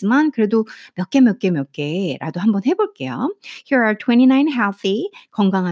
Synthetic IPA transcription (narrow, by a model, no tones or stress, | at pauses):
imankɯɾe̞domjʌk͈e̞mjʌk͈e̞mjʌk͈e̞ɾa̰doɦambʌnɦe̞boɭk͈e̞jo̰hiɹatʰwɛ̃ñinãɪ̃nɦɛlθikʌŋɡaŋɦa